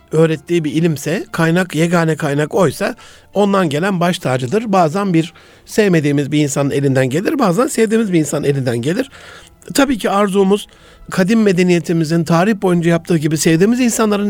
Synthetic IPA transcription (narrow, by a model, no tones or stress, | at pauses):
ø̞ːɾɛt̪ʰːiːbiilʲimsɛkʰajnakjeɡaːnɛkʰajnako̞jsa | o̞nd̪anɟe̞lʲænbaʃt̪ʰaːd͡ʒɯd̪ɯɾbaːzanbiɾ | sɛvme̞d̪iːmizbiːnsanɯne̞lʲind̪ænɟe̞lʲiɾbaːzansevd̪iːmizbiinsanɯne̞lʲind̪ænɟe̞lʲiɾ̥ | t̪ʰabiːcʰiaɾzuːmuz̥ | kʰad̪imːe̞d̪e̞nije̞t̪ʰimizint̪ʰaːɾiçbo̞jund͡ʒajap̚t̪ʰɯːɟibisevd̪iːmizinsanlˠaɾɯn